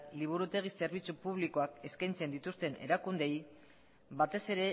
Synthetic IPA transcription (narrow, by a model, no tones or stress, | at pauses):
liβ̞uɾut̪e̞ɣ̞ise̞ɾβ̞it͡supuβliko̞ake̞skajnt͡se̞nd̪it̪ust̪e̞ne̞̰ɾakund̪e̞j | βat̪e̞se̞ɾe̞